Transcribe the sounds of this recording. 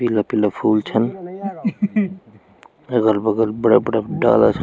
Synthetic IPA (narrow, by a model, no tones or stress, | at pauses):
ilapilapʰuːlt͡ʃʰən | əɡəɾbəɡəlbəɽabəɽaɖa̰ːla̰t͡ʃʰ